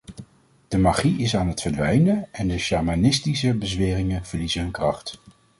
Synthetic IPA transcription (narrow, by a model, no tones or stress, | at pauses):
d̥əmaːχiɪsaːnɦətfəɹdʋɛjnəɛndəʃɑɹmanɪstisəbəzʋɪːrɪŋəv̥əɹlizəɦɵnkrɑχt